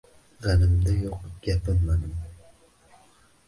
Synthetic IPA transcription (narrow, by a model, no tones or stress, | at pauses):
ʁænɪmd̪ɛjoqɡ̥ʲɛpɪnːad̪ɪm